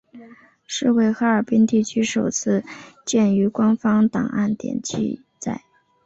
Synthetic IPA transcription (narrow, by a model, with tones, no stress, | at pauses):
ʂɻ̩˥˧we˥˩ɪxa˧˥ə˞˨˩pi˥nt̪i˥˩t͡ɕʰy˥ʂo˨˩ʊt͡sʰɹ̩˥˧t͡ɕjɛ˥˩ny˧˥kwa˥nfɑ˥ŋt̪ɑ̰˨˩ŋʔa̰˥˩nt̪jɛ̰˨˩nt͡ɕʰḭ˥˧ | t͡sa̰˥˩ɪ